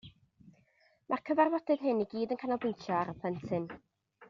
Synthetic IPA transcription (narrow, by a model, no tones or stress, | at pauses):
mʔakʰəvarwɔdɨðɦɨniɡiːdənkʰanɔbɪntʰjɔaɾəpʰəntʰɨn